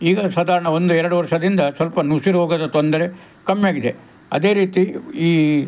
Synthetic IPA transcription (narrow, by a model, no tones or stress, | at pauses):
iːɡɐsaːd̪ʱaːɾɐɳɐond̪uɛɾɐɽuʋɐɾʂɐd̪ind̪ɐsʋɐlpɐnusiɾɦoːɡɐd̪ɐt̪ond̪ɐɾe | kɐmjaːɡid̪e̞ | ɐd̪e̞ːɾiːt̪iiː